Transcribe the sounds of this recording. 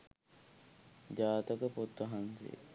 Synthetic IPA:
d͡ʒaːt̪əkəpot̪ːɐɦansḛː

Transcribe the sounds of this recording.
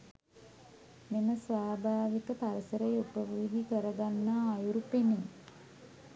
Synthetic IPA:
meməsʋaːbʱaːʋikəpaɾəsəɾəjupəʋrid̪ʱikəɾəɡanːaːjuɾupene

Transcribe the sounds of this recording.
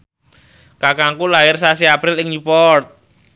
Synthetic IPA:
kakaŋkulaɦɪrsasiapɾɪlɪŋjupɔrt̪̚

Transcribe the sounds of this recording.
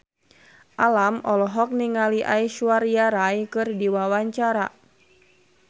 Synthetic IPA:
ʔalamɔlɔɦɔk̚niŋaliʔaiʃuarjaɾajkɨrdiwawaɲt͡ʃaɾa̰

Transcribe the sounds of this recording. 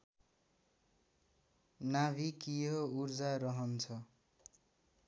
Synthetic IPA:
nabʱikiɦourd͡zaɾʌɦʌnt͡sʰʌ

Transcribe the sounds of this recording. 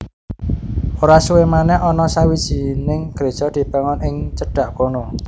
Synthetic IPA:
ʔoɾasuwemanɛɦɔnɔsawid̥ʒ̥i̤nɪŋɡ̥ɾe̤̥ʒ̥ɔ̤d̪̥i̤pəŋɔnɪŋt͡ʃəɖ̥ä̤ʔkono

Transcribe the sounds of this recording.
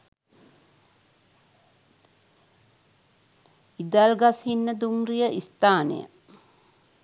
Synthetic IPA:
id̪alɡasinːəd̪umrijəʔist̪aːnḛjə̰

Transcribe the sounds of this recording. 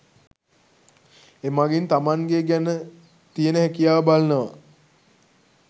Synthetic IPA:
emaɡent̪amaŋɡeɡænə | t̪ijənəɦækijaːbalənəʋa̰

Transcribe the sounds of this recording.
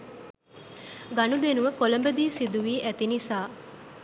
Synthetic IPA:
ɡɐnud̪enuʋəkoləmbəd̪iːsid̪uʋiːʔæt̪inisaː

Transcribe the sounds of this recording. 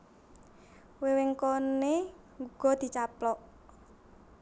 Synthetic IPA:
weweŋkone | ŋɡuɡ̥ɔ̤d̪̥i̤t͡ʃaplɔʔ

